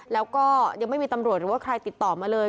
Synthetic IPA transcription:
lɛː˦˥wkɔː˥˩ja˧ŋma˥˩jmiː˧t̪a˧mɾu˨˩ət̪̚ɾɯː˨˩˦waː˥˩kʰɾa˧jt̪i˨˩t̪ːɔː˨˩maː˧lɤː˧

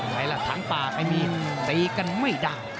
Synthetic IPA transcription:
la˨˧˩jla˧˩t̪ʰaː˨˦ŋp̪aː˨˩ka˧jmiː˧t̪i˨˦ka˧nma˥˩jdaː˨˧˩

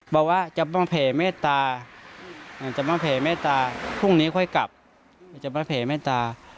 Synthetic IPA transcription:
bɔ˧˩waː˧˥˨t͡ɕa˨˩maː˧˥˩pʰɛː˨˩˦meː˧˥˨t̪aː˧ | a˧˨t͡ɕa˨˩maː˧˥pʰɛː˨˩meː˧˥˩t̪aː˧kʰu˧˥˩ŋniː˦˥kʰɔ˧˩˨jka˨˩p̚ | t͡ɕa˨maː˧˥˩pʰɛː˨˩˦meː˧˥˩t̪aː˧

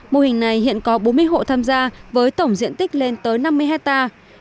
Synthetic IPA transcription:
mo˧˩hï˨˩ŋna˨˩jhḭ˧˨ənkɔ˨˦ɓo˨˦nmɨ˧əjɦo̰˧˨t̪ʰaː˧mzaː˧vəː˨˦jt̪ə˧˩wŋ͡mzḭ˧˨ənt̪ï˦˥k̟̚le˧nt̪əː˨˦jna˧mːɨ˧əjɦɛ˦˥k̚t̪aː˧

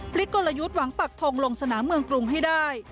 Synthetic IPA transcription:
pʰli˦˥k̚kːo˧la˧ju˦˥t̪̚wa˩˦ŋpa˨˩k̚t̪ʰo˧ŋlo˧ŋsa˧naː˩˦mːɯ˧əŋkɾu˧ŋɦa˥˩jdaː˥˩j

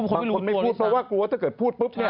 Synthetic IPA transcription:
a˧ko˧nma˥˩uː˥˩t̪̚pʰɾɔ˦˥waː˥˩klu˧t̪ʰa˥˩kɤː˨˩t̪̚pʰuː˥˩t̪̚pɯ˦˥p̚

